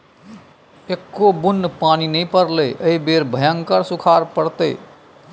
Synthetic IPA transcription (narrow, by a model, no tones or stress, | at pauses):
ekːobunːpaninəpəɾləjʔəibeɾbʱəjəŋkəɾsukʰaɾpəɽt̪ə